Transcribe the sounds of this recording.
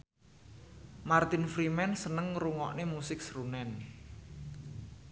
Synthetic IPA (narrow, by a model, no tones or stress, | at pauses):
mart̪ɪnfɾimɛnsənəŋɾuŋɔ̰ʔnemusɪk̚sɾunɛn